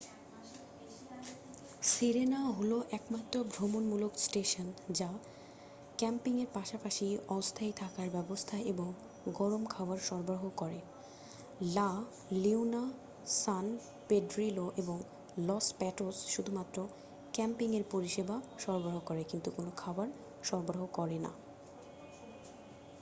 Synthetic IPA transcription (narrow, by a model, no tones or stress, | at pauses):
siɾenaɦoloʔɛkmat̪ːɾobʱɾomonmuloksʈeʃond͡ʑa | kɛmpiŋeɾpaʃapaʃiɔst̪ʰajt̪ʰakaɾbɛbost̪ʰaʔeboŋ | ɡɔɾomkʰawaɾʃɔɾbɾaɦokɔɾe | la | liwna | san | peɖɾiloʔeboŋ | lɔspɛʈosʃud̪ʱumat̪ːɾo | kɛmpiŋeɾpoɾiʃebaʃɔɾbɾaɦokɔɾekint̪ukonokʰabaɾ | ʃɔɾboɾaɦokɔɾena̰